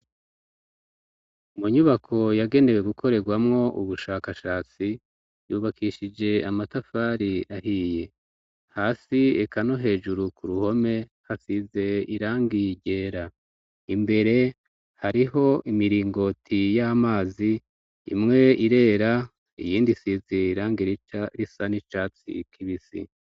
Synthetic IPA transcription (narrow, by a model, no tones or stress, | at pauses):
muɲuβakʰo̞jaɡe̞ne̞we̞ɡukʰo̞ɾe̞ɡwamŋo̞ʔṵβuʃaːkaʃaːt͡si | juːβakiʃid͡ʒe̞amatafaːɾiahiːje̞ | haːsiekano̞ɦe̞ːʒuɾukʰuɾuho̞me̞ | hasize̞iɾaːŋɡiɟe̞ːɾa | imbe̞ɾe̞ | haɾiɦo̞ʔimiɾiːŋɡo̞tʰijamaːzi | ḭmŋe̞iɾe̞ːɾa | ḭjiːndisizeiɾaːŋɡiɾit͡ʃɾisanit͡ʃaːt͡sḭkʰiβisḭ